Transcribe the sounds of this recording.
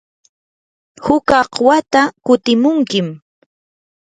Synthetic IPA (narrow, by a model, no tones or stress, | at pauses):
hʊkɑqwat̪akʊt̪ɪmʊŋkɪm